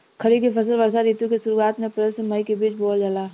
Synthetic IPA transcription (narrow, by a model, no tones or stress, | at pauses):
kʰɐɾikepʰɐs̬əlʋɐɾsaɾiːt̪ũkesʊɾuaːt̪mẽɐpɾeːlseməikebiːt͡ʃboːld͡ʒɐlaː